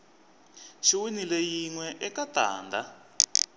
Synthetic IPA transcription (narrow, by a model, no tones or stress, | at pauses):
ʃiwinilejiŋwɛʔɛkata̰ːndʱa